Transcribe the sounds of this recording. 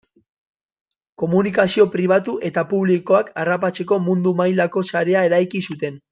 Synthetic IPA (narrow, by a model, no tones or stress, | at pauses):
ko̞munikasio̞pɾiβ̞at̪uʔe̞t̪apuβ̞liko̞akarapat͡se̞ko̞mund̪umajlako̞saɾe̞ae̞ɾajkisut̪e̞n